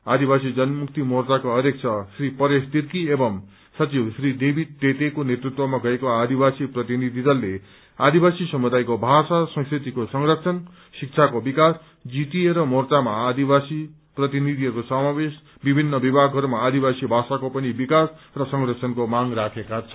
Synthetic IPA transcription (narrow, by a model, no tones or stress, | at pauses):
ad̪ibasid͡zʌnmukt̪imort͡sakoʌɾek̚t͡sʰʌsripʌɾest̪iɾkiebʌm | sʌt͡sibsrid̪ebʱit̪et̪ekonet̪rut̪wʌmaɡʌekoad̪ibasiprʌt̪inid̪ʱid͡zʌlːe | ad̪ibasisʌmud̪ajkobʱasasʌ̃ŋskrit̪ikosʌŋrʌk̚t͡sʰʌn | sik̚t͡sʰakobikas | d͡zit̪ieɾʌmort͡samaːd̪ibasi | prʌt̪inid̪ʱiʌɾkosʌmabes | bibʱinːʌbibʱaɡɦʌɾumaːd̪ibasibʱasakopʌnibikas | rʌsʌŋrʌk̚sʰʌnkomaŋrakʰekat͡sʰʌ̥